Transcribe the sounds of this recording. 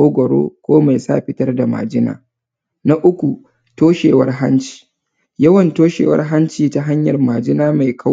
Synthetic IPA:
oː˦ɡʷɐ˨ɽo̰ː˦kʷoː˦ma˨jsa̰ː˦˨ɸɪ˦tɐ˦rda˨ma̰ː˨d͡ʒɪ˦na̰ː˨ | na˦ʔʊ˦kʷu˨ | toː˦ʃeː˨wɐ˦rɦa˦nt͡ʃi̥ː˨ | jɐ˦wɐ˨ntoː˦ʃḛː˨wɐ̰˦rɦa˦nt͡ʃiː˨ta˦ɦa˦ɲjɐ˨rmaː˨d͡ʒɪ˦naː˦ma˨jkʰa˦

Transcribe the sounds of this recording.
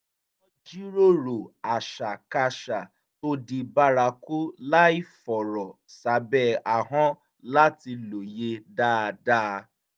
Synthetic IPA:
ɔ˦d͡ʒi˦ɾo˦˨ɾo˨a˨ʃa˨ka˧ʃa˨ | to˦di˧ba˦ɾa˧ku˦la˦i˦fɔ˨ɾɔ˨ | sa˨˦bɛ˦˨a˨ɦɔ̃˦ | la˦ti˧lo˨je˧daː˦˨˧da˦˧

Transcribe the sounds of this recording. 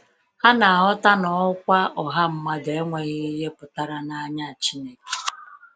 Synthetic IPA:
ha˦na˨a˨ɦɔ˦ta˦nɔ˨ʊ˦kʷa˦ʔɔ˨ɦa˦m̩˦ma˦ɡe˨e˦ŋʷe˨ɣɪ˦i˦ɦe˦pʊ˨ta˦ɾa˦na˦ɲa˦˨t͡ʃi˦ne˦ke̥˨

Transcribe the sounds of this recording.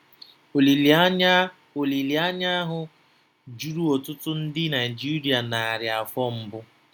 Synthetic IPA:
li˨˦ | o˨li˨li˨a˦ɲa˦ɦʊ˦ | d͡ʒu˦ɾu˦o˨tʊ˦tʊ˦n̩˦dɪ˦na˨jd͡ʒi˦ɾi˨a˨na˨a˨ɾja˨fɔ˦m̩˦bʊ˦

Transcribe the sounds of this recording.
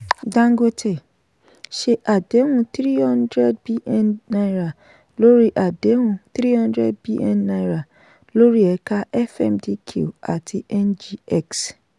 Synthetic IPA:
dã˨˧ŋɡo˧tʰɛ˨ | ʃe˧ʔa˨de˨˦hũ˦˧t̪ɾi˦hɔ̃˦ndɾɛ˦d̚bi˦ʔɛ˦nːa˧jɾa˨ | lo˦ɾi˦ʔa˨de˨˦ũ˧t̪ɾi˦hɔ̃˦n˦dɾɛ˦˨d̚bi˦ʔɛ̰˦nːa˧jɾa˨ | lo˦ɾi˦ɛ˧ka˦ɛ˦fɛ̰˦˨mdi˦kʰṵ˦˨a˨tʰi˧ɛ˦nd͡ʒi˦ɛ˦˨ks

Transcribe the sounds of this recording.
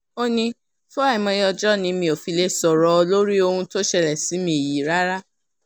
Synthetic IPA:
o˦nĩ˧ | fo˦a˦˨i˨mɔ̃˧jɔ˧d͡ʒɔ˦˨nĩ˨˧˦mĩ˧o˨fi˨˧le˧sɔ˨ɾɔ˧lo˦ɾi˦o˧hũ˧to˦ʃɛ˧˨lɛ˨si˨˦mĩ˧˦e˨ji˨˦˨ɾa˦ɾa˦

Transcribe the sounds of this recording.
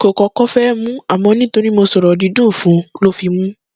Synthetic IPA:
ko˨kɔ˨˧kɔ˦fɛ˦mũ˦a˨mɔ̃˧nĩ˦to˧ɾi˦mo˧sɔ˨ɾɔ˨di˧dũ˦˨fũ˨˦lo˦fi˧mũ˦

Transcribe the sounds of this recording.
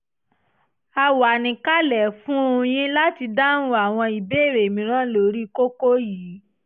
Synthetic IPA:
a˧wa˨nĩ˨ka˦lɛ˨fũ˦õ˧j̃ĩ˦la˦ti˧da˦nũ˧˦a˨w̃ɔ̃˧i˨be˦˨ɾe˨mĩ˨ɾ̃ã˦lo˦ɾi˦ko˦ko˦jiː˨˦

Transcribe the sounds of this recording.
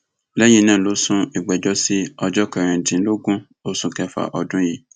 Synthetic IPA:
lɛ˦j̃ĩ˧˦nã˦˨lo˨˦sũ˦i˨ɡ͡bɛ˨d͡ʒɔ˦si˦ɔ˧d͡ʒɔ˦kɛ˨ɾ̃ĩ˧˨dĩ˨˦lo˦ɡũ˦ | o˦sũ˧kɛ˦fa̰˨ʔɔ˧dũ˦ji˦

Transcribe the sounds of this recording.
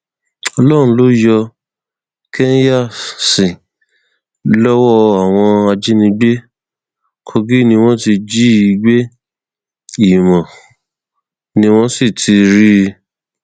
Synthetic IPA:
ɔ˧lɔ˦˨ɾ̃ũ˧lo˦jɔ˧ | ke˦n˦ja˦˨sĩ˨ | lɔ˦wɔ˦a˨w̃ɔ̃˧a˧d͡ʒi˦nĩ˧ɡ͡be˦ | kʰo˧ɡi˦nĩ˧w̃ɔ̃˦ti˧d͡ʒi˦i˧ɡ͡be˦ | i˦˨mɔ̃˨ | nĩ˧w̃ɔ̃˦si˦˨tʰi˧ɾi˦

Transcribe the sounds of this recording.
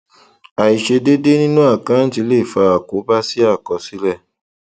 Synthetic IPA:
a˨i˨ʃe˧de˦de˦nĩ˦nũ˦a˦˨kã˨˦n̩˦ti˧˦le˦˨fa˧a˨ko˨˦ba˦si˦a˦˨kɔ˨˧si˨˦lɛ˦˨

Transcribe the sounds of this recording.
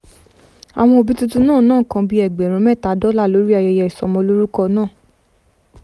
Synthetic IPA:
a̰˨w̃ɔ̃˧o˨bi˦tu˦tu˦nãː˦˨nãː˦˨kã˧bi˦ɛ˨ɡ͡bɛ˨ɾ̃ũ˨˦mɛ˦˨ta˨˦dɔ˦la˦˨lo˨˦ɾi˦a˧jɛ˧jɛ˧i˨sɔ˨mɔ̃˧lo˦ɾu˦kɔ˦˧nãː˦˨

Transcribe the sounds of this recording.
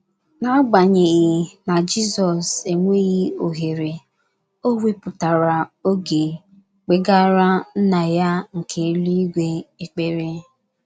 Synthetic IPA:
na˦ɡ͡ba˨ɲe˨ɣɪ˨na˨d͡ʒi˦sɔ˨se˨ŋʷe˦ɣi˦o˨ɦe˨ɾe˨ | o˦we˦pʊ˨ta˨ɾa˨o˦ɡe˨ | k͡pe˨ɡa˦ɾa˦n̩˦na˨ja˦ŋ̩˨kʰe˨˦lu˦i˦ɡʷe˦e˦k͡pe˦ɾe˦

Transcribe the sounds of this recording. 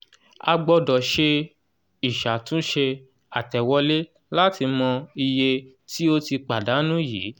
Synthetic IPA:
a˧ɡ͡bɔ˧dɔ˨ʃe˧ | i˨ʃa˨tũ˦ʃe˧ | a˨tɛ˨wɔ˦le˦ | la˦ti˧mɔ̃˧i˧je˧ | ti˦o˦ti˧k͡pa˨da˨˦nũ˦jiː˨˦

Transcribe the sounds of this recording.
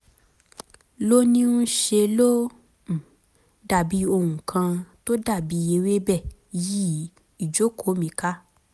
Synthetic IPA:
lo˦nĩ˦nũ˦ʃe˧lõ˦˨ | da˦˨bi˨˦o˧hũ˨kʰã˧to˦da˦˨bi˨˦je˧we˦bɛ˦˨ji˦ | i˨d͡ʒo˨˦kʰo˨˦mĩ˨˦ka˦

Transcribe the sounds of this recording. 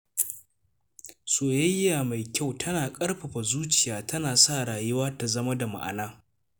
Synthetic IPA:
soː˨jɐ˦jːaː˨ma˨jkʲa˦˨wtʰɐ˦naː˨kʼɐ˦ɽɸɐ˨ɸa˨zuː˦t͡ʃɪ˨jaː˨tʰɐ˦naː˨saː˦˨ɽaː˨jʊ˦waː˦ta˨zɐ˦ma˦da˨ma̰˨ʔa̰˨naː˦

